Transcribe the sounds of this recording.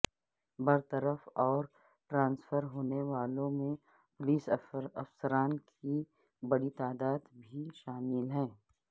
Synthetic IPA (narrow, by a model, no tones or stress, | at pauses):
bɐɾt̪əɾəfɔːɾ | ʈɾãːnsfəɾɦoːneʋaːlõmẽ | pʊliːsɐfsəɾaːnkʰi | bɐɽit̪aːd̪aːd̪bʱiʃaːmɪlɦɛ̃ː